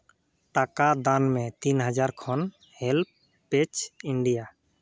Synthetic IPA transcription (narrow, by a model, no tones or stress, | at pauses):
ʈakad̪anmɛ̃t̪inɦəd͡ʒaɾkʰɔn | hɛlp̚ | pet͡ʃiɳɖija